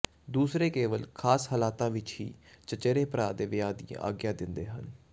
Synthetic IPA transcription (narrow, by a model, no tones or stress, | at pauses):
d̪uːsɾeːkeːʋəlkʰaːshəlaːt̪ãːʋɪt͡ʃɦḭːt͡ʃət͡ʃeːɾeːpəɾaːd̪eːʋɪjaːd̪ḭːã̰ʔa̰ːɡjãːd̪ɪnd̪ḛːɦən